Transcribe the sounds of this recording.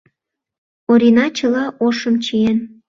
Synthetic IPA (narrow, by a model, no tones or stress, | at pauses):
oɾʲinɑt͡ɕəlɑʔoʃəmt͡ɕien